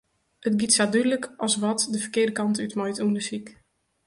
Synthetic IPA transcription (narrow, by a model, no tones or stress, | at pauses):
ətɡitsadydləkʰʔɔsʋɔtdəfərkɪərdəkɑntytmɔjtundəsik